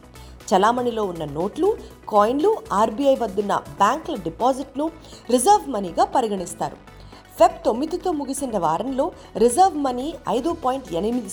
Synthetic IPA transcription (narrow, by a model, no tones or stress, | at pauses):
t͡ʃɛlaːmɐnilo̞ːunːɐno̞ːʈlukaːjinluaːɾbiɐjʋɐd̪ːunːɐ̰baːŋklɐɖipaːziʈnu | ɾizɐɾʋmɐniːɡaːpɐɾiɡɐɳist̪a̰ːɾṵ | pʰep̚t̪o̞mːid̪it̪o̞ːmuɡisinːɐʋaːɾɐnlo̞ː | ɾizɐɾʋmɐniːɐ̰jd̪upaːjiɳʈɛnɐmid̪i